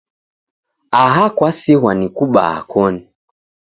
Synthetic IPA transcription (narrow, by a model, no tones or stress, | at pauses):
aɦakwasiɦwanikuɓa̰ha̰kʰɔni